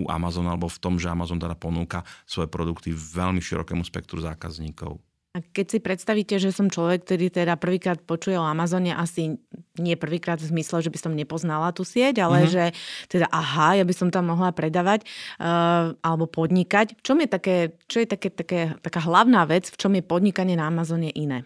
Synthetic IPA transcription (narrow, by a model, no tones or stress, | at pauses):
ṵʔa̰mazɔnalɛbɔft̪ɔmʒɛamazɔnt̪ɛd̪apɔnuːkasʋɔjɛpɾɔd̪ukt̪iʋɛʎmiʃḭɾɔ̰kɛ̰ːmuspɛk̚t̪ɾuza̰ːka̰zɲiːkɔ̰ʊ | akɛcsipɾɛt̪st̪aʋiːcɛʒɛsɔmt͡ʃlɔʋɛk̚ːt̪ɔɾiːt̪ɛd̪apr̩ʋiːkɾaːt̪̚pɔt͡ʃujɛɔamazɔɲɛʔasiɲɪɛpr̩ʋiːkɾaːd̪vzmislɛʒɛbisɔmɲɛpɔznalat̪uːsɪɛcalɛʒɛt̪ɛd̪aʔaɦajabisɔmt̪amːɔɦlapɾɛd̪aːʋac | ʔalɛbɔpɔd̪ɲikacft͡ʃɔmjɛt̪akɛːt͡ʃɔjɛt̪akɛt̪akɛːt̪akaːɦlaʊnaːʋɛt͡sft͡ʃɔmjɛpɔd̪ɲikaɲɪɛnaamazɔɲɛʔinɛː